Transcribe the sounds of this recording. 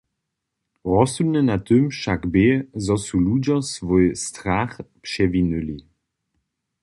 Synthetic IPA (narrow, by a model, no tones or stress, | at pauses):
ʁɔsunənat̪ømʃaɡbezɔsulud͡ʑɐsvojstʁaχpʃɛvinøli